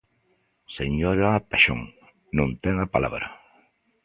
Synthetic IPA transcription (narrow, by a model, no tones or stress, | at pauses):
seɲoɾapeʃo̰ŋ | nõnt̪ɛŋapala̰βɾa